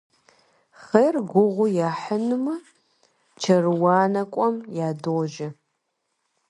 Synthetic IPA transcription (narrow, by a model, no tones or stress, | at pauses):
χejrɡʷʊʁʷʊjaːħənɨmɐ | t͡ʃʰɐrwɑːnɐkʷʼɔmjaːdoʒɪ